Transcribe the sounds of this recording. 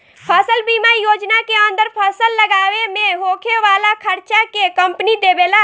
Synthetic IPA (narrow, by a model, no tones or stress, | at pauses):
pʰasəlbimajoːd͡ʒnakeə̃nd̪əɾpʰasəlːəɡaːwemẽɦoːkʰeʋaːlakʰəɾt͡ʃakekəmpnid̪ebela